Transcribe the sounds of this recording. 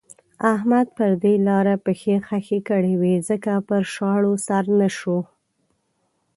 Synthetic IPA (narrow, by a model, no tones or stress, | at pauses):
ahmad̪̚pəɾd̪elɑɾapəxexaxekəɽewizəkapəɾʃɑɽosaɾnaʃo